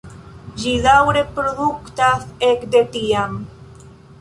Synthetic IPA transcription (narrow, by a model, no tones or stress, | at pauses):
ʒiðawɾepɾoðukt̪aθekd̪et̪iam